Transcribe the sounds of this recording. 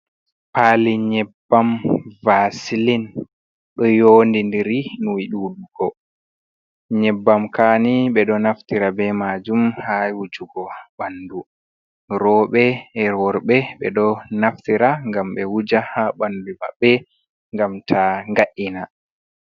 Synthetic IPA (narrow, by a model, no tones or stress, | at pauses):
paliɲɛbːamvasilin | ɗɔjondindiɾinuwiɗuːɗuɡ̥ɔ | ɲɛbːamkaːniɓɛɗɔnaftiɾabɛmad͡ʒumhawud͡ʒuɡɔɓanːdu | ɾɔːɓɛɛɾwɔɾɓɛɓɛ̰ɗɔnaftiɾaŋɡamɓɛwud͡ʒahaɓanduma̰bːɛ | ŋɡamtʰaŋɡaʔina